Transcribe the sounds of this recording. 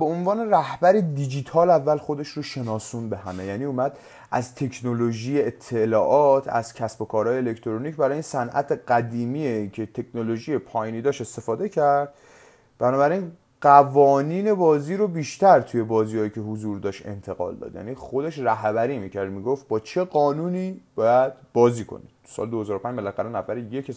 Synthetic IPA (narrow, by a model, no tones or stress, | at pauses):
beonvɒːne̞ræhbæɾed̪id͡ʒit̪ʰɒːlævːælxo̞d̪e̞ʃɾoʃe̞nɒːsunbe̞ɦæme̞jæːniːumæd̪̥ | ʔæ̰zt̪ʰe̞kʰnoloʒiːjeet̪ʰːelɒːʔɒt̪ʰæ̰z̥cʰæsbo̞kʰɒːɾɒːjeːle̞kʰt̪ʰoɾonicbæɾɒːjinsænʔæ̰t̪ʰeɢæd̪iːmiːecʰe̞t̪ʰe̞kʰnolo̞ʒiːjepʰɒːjiːniːd̪ɒʃe̞st̪e̞fɒːd̪e̞cʰæɾd̪̥̚ | b̥ænɒːbæɾin | ɢævɒːniːne̞bɒːziːɾobiːʃt̪æɾt̪ʰuje̞bɒːziːhɒːjiːcʰe̞ɦozuːɾd̪ɒːʃt̪e̞̰nt̪ʰe̞ɣɒ̰ːld̪ɒ̰d̪jæ̰ːniːχo̞d̪eʃræɦbæɾiːmicʰæɾd̪miːɡoft̪̚bɒːt͡ʃʰe̞ɣɒːnuːniːb̥ɒːjæd̪̥̚b̥ɒːziːkʰo̞̰nḭ̥ | sɒ̰ːleohezɒːɾopʰæɲd͡ʒbælææɾænævæɾejece